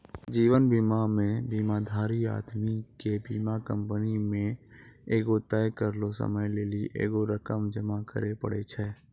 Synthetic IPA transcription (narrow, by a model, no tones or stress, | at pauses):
d͡ʒiːʋənbiːmamẽbiːmad̪ʱaːɾia̰ːd̪mikebiːmakə̃mpənimẽeːɡot̪ɛjkəɾlosə̰məjleːliʔḛːɡoɾəkəmd͡ʒəmakə̰ɾepə̰ɽet͡ʃʰɛː